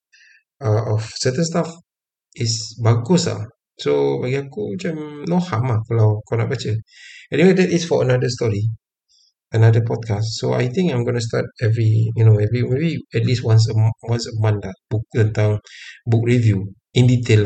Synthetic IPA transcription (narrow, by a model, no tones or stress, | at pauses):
aɔfsət̪ə̃nstaf | isbaɡusa̰ | sobaɡiakut͡ʃamnohamakəlawkɔnɔʔ̚bat͡ʃəɛniwedɛtisfɔənadəstɔɹi | ənadəpɔd̚kassoa̰jt̪ĩŋkãjmɡonus̬tat̚ɛvɹijunoɛvɹimebiɛt̚liswãns̬əwãnsəmãndab̥uk̚t̪ə̃nt̪ãŋbuk̚ɹivju | ĩnditʰel